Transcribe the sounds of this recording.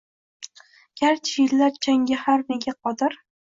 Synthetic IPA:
ɡ̥ʲaɾt͡ʃʰɪjɪlːaɾt͡ʃʰaŋɡʲahaɾne̞ɡʲaqʰɒd̪ɪɾ

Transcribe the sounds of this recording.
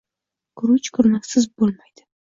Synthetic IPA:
kʊɾʊt͡ʃkʰʊɾnakʲsɪzbolˠmajd̪̥ɪ̥

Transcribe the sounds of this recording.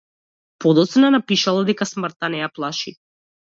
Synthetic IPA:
pɔd̪ɔt̪snanapiʃalˠad̪ɛkasmrt̪anɛjaplˠaʃi

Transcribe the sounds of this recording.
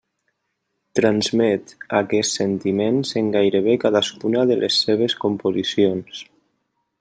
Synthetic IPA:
t̪ɾanzmɛt̪akɛssent̪imenzeŋɡajɾeβ̞ekaðaskunaðəlʔḛsːeβ̞eskompozisions

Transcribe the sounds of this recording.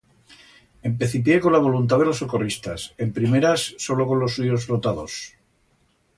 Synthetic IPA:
e̞mpe̞θip̬jeko̞nlaβ̞o̞lunt̪̬aðelosokorist̪ase̞mpɾime̞ɾasːo̞lo̞ko̞nlo̞suʝo̞sfɾot̪að̞os

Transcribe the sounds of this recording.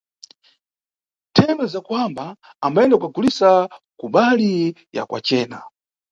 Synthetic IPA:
tʰɛmɛzakuambaː | mbaɛndaukaɡulisa | kuɓalija̰kwa̰t͡ʃɛːna̰

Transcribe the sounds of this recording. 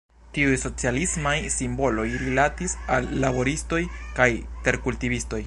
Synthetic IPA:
tiujso̞t͡sialismajsimbo̞lo̞jɾilatisalːabo̞ɾisto̞jkajte̞ɾkultivisto̞j

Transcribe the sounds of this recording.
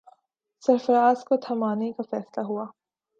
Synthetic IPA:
sɐɾfɐɾaːzkot̪ʰɐmaːnekafɛːslaɦuaː

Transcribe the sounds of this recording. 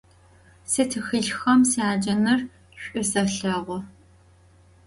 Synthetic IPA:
sɨtʰɨxɨɮxɐmsiaːd͡ʒɐnɨr | ɕʷʼʊsɐɬɐʁʷɔ

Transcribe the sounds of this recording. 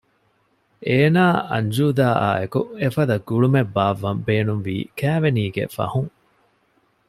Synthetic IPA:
ʔeːnaːɐ̰ɲd͡ʒuːd̪aːa̰ːekuefɐd̪ɐɡuɭumebːaːʋːɐmbeːnunʋḭːkæːʋeniːɡḛfɐ̰huŋ

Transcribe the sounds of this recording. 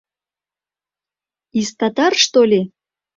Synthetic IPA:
ist̪ɑt̪ɑrʂt̪olʲe

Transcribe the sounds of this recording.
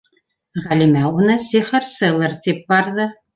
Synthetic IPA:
ʁɑlimæʔʊnɐseːχɐrsɐlɐrtʰep̚ːarðɐ

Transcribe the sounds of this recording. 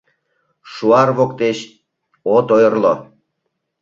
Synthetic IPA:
ʃuɑrβokt̪eɕ | ot̪ojərlo

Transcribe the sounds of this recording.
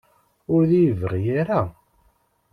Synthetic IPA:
ʊɾðijvəʁijaɾa

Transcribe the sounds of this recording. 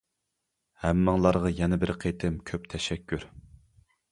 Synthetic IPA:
hæmːɪŋlˠɑɾʁɑjɛnɛbɪɾqʰet̪ʰɪmkʲʰøp̚t̪ʰɛʃɛkʲʰːyɾ

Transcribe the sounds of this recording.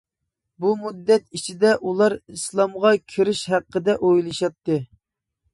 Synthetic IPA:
bumud̪ːɛt̪it͡ʃʰid̪ɛʔulˠɑɾislˠɑmʁɑkʲʰiɾɪʃhæqʰːəd̪ɛʔojlˠɨʃɑt̪ʰːɨ

